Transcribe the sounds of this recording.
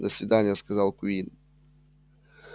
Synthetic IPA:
zasʲvʲid̪aɲʲaskazalkuin

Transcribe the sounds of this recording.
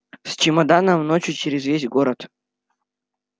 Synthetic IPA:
sʲt͡ɕɪmɐd̪anəmnot͡ɕjʊt͡ɕɪɾʲɪzvʲezʲɡoɾət̪

